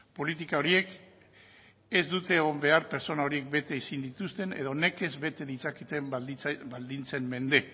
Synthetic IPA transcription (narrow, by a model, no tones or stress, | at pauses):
po̞lit̪ikao̞ɾie̞k | e̞zd̪ut̪e̞ːɣo̞mbe̞aɾpe̞ɾt͡so̞nao̞ɾie̞kbe̞t̪e̞isind̪it̪ust̪e̞ne̞̰ðo̞ne̞ke̞zbe̞t̪e̞ðit͡sakit̪e̞mbald̪int͡se̞mme̞nd̪e̞